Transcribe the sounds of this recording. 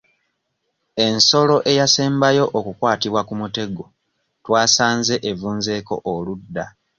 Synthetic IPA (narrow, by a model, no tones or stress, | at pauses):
e̞nso̞lo̞ʔe̞jaseːmbajo̞ʔokukwaːtiβwakumute̞ɡo̞ | twaːsaːnze̞ʔevuːnze̞ːko̞̰ʔːludːa